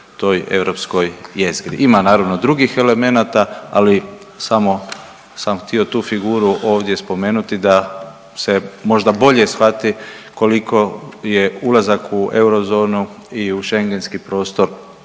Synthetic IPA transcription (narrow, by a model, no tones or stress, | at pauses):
t̪o̞je̞̰ʋɾo̞psko̞jjeziɡɾḭʔimanaːɾaʋno̞d̪ɾuɡixe̞le̞me̞nat̪aa̰li | samo̞ | samxt̪io̞t̪uːfiɡuːɾuʔo̞ːʋd̪je̞spo̞me̞ːnut̪id̪a | se̞mo̞ʒd̪abo̞ʎe̞sxʋat̪i | ko̞likʰo̞je̞ulˠazakue̞wɾo̞zo̞ːnuiuʃe̞ŋɡe̞nskipɾo̞ːst̪o̞ɾ